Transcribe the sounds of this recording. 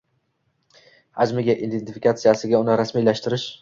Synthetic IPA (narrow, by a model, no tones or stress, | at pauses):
had͡ʒmɪɡʲaʔid̪ent̪ʰɪfɪkat̪sijasɪɡʲaʊnɪɾasmijlaʃt̪ɪɾɪʃ